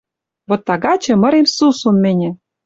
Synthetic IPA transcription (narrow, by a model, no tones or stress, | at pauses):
βot̪ːɑɣɑt͡ɕɤ̆mɤ̆ɾemsusunmĕnʲɘ̆